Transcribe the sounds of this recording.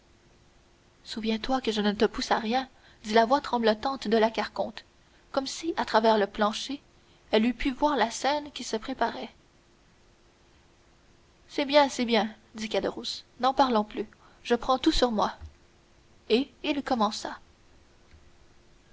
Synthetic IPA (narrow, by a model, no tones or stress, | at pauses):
suvjɛ̃t̪wakəʒənət̪əpusaʁjɛ̃ | d̪ilavwat̪χɑ̃blət̪ɑ̃t̪d̪əlakaʁkɔ̃t̪ | kɔmsiʔat̪χavɛːʁləplɑ̃ʃe | ɛlypʰyvwaːʁlasɛnkʲisəpχepaʁɛ | sɛbjɛ̃sɛbjɛ̃ | d̪ikad̪əʁusnɑ̃paʁlɔ̃ply | ʒ̥əpχɑ̃t̪usyʁmwa | eilkɔmɑ̃sa